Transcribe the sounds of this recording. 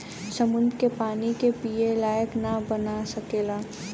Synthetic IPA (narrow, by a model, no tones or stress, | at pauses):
səmʊ̃nd̪ʱkepaːnikepielaːjəknabənasɐkeːlaː